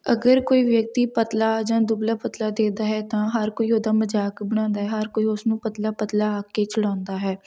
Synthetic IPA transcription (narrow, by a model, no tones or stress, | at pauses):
əɡəɾkoːiːʋjək̚t̪iːpət̪laːd͡ʒãːd̪ʊblaːpət̪laːd̪eːd̪aːɦɛːt̪ãːɦəɾkoːiːoːd̪aːməd͡ʒaːkbəɽ̃ãːnd̪aːɦɛːɦəɾkoːiːʊsnũːpət̪laːpət̪laːaːkːeːt͡ʃəɽãːnd̪aːɦɛː